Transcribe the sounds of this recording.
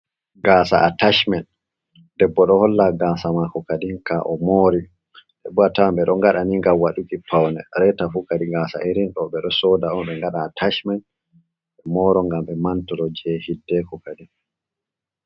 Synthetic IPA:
ɡaːsa̰ʔataʃmɛn | dɛbːɔɗɔhɔlːaɡaːsamakɔkaɗinkaʔɔmoɾi | dɛbːɔatambɛɗɔŋɡaɗaniŋɡamwaɗukipʰawnɛ̰ɾɛtafukaɗiɡaːsa̰ʔiɾinɗɔɓɛɗɔsɔdaɔnɓɛŋɡaɗaːtʰaʃmɛn | ɓɛmɔːɾɔŋɡamɓɛmantɔɾɔd͡ʒɛhidːɛkɔkaɗin

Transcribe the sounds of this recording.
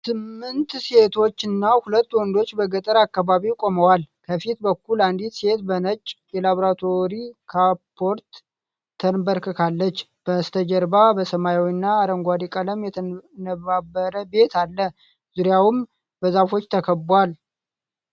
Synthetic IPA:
sʰɨmːɨnt̪se̞t̪ʰo̞t͡ʃːɨnːahulət̪ːwɔnd̪o̞t͡ʃːbəɡət̪ʼəɾakːaβaβikʼo̞məwalkʰəfit̪bəkːuland̪it̪se̞t̪bənət͡ʃʼːjɛlaβoɾat̪ʰo̞ɾikʰapʰːo̞ɾt̪ʰː | ənbəɾkʰəkʰalːət͡ʃː | b̥əst̪ʰəd͡ʒəɾbabəsəmajawinːaːɾəŋɡʷad̪ikʼələmjɛt̪ʰənəβabːəɾəbe̞t̪ʰalːə | z̥uɾjawʊm | bəzafo̞t͡ʃːt̪ʰəkʰəbːwal

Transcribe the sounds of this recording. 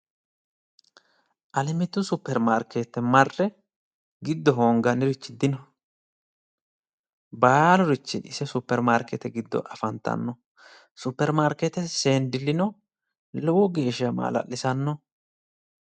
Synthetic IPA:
ʔɐlɪmɪt̪ːʊsʊpːɛɾmaːɾket̪ːɛmɐrːɛ | ɡɪd̪ːɔɦoːŋɡɐnɪɾɪt͡ʃːɪd̪ɪnɔ | baːlɔɾɪt͡ʃːɪɪsɛsʊpːɛɾmaːɾkɛt̪ɛɡɪd̪ːɔ̰ʔɐfɐnt̪ːɐ̰nːɔ | sʊpːɛɾmaːɾkɛt̪ɛseːnd̪ɪlːɪnɔ | lɔwɔɡe̞ːʃɪɐma̰ːlɐ̰ʔːɪsɐnːɔ

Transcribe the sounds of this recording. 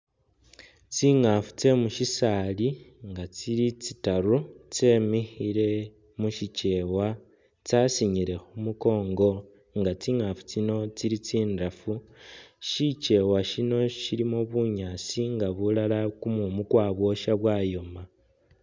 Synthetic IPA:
t͡siŋafu̥t͡se̞muʃisaːliŋɡat͡siɾit͡sitaɾut͡se̞ːmixiɾe̞ | muʃit͡ʃe̞wa | t͡sasiɲiɾe̞xumuko̞ːŋɡo̞ | ŋɡat͡siːŋafu̥t͡sino̞t͡siɾit͡siːndafu | ʃit͡ʃe̞waʃino̞ʃilimoβuɲaːt͡siŋɡaβulalakumumukwaːβwo̞ʃaβwaːjo̞ma

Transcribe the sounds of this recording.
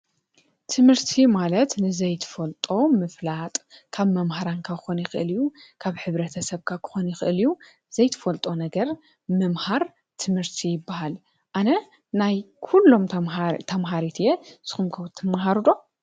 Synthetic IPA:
t̪ʰɨmhɨɾt̪ʰimalɐt̪nɨzɐjt̪ʰɨ̥fɐlt̪ʼo̞mɨflat̪ʼkʰaβmɐmhaɾankʰakʰɨxonjɪxɨʔɨlijukʰaβħɨβɾɐt̪ʰɐsɐβkʰakʰɨ̥xonjɪxɨʔɨliju | zɐjt̪ʰɨ̥fɐlt̪ʼonɐɡɐɾ | mɨmhaɾ | t̪ʰɨmhɨɾt̪ʰijɪbːahal | ʔanɐ | naj | kʰulːo̞mt̪ʰɐmɦaɾit̪ʰjez̥ɨ̥xumkʰɐwt̪ʰːɨmːaɦaɾud̪o̞

